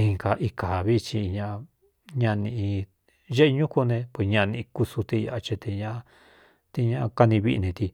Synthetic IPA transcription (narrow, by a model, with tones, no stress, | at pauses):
ĩ˧ŋka˨ʔi˧ka˨βi˦˧t͡ʃi˧ɲã˧ | ɲã˧nĩ˧ĩ˧ | ʒe˦e˧ɲũ˦ku˧nẽ˧pwe˧˨ɲã˧nĩ˧i˧ku˧su˧t̪e˧ja˧ʔa˧t͡ʃe˧t̪e˧ɲã˦˧ | t̪e˧ɲã˦˧ka˧nĩ˧βi˦ḭ˧nẽ˧t̪i˧